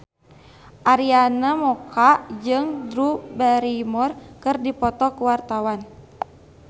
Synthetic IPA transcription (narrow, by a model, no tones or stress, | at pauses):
ʔaɾianamɔkaʔd͡ʒɨŋdɾubɛɾimɔrkɨrdipɔt̪ɔkuwart̪awan